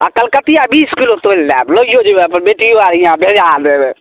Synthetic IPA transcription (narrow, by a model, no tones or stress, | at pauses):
akəlkət̪ijabiskilot̪olːablojod͡ʒebeəpənbeʈijoaɾijãbʱed͡ʒad̪ebe